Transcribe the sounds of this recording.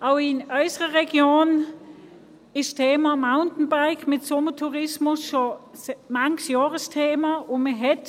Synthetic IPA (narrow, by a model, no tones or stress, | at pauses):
ʔaʊɪnʔœʏsəʁəʁɛɡjoːn | ɪʃtʰeːmamaʊntn̩baʁɡmɪtsomətʰuʁɪsmʊsʃomaŋsjɑːʁəstʰeːmaʊnməɦɛt